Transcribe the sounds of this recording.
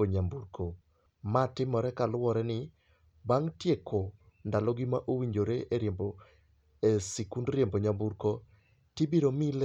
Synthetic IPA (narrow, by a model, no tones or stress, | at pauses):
oɲambuɾkʰo | matɪmɔɾɛkalʊwɔɾɛnɪ | baŋtjekʰo | ndalɔɡɪmaʔowiɲd͡ʒoɾeʔeɾjembo | esikundɾjemboɲambuɾko | tibiɾomil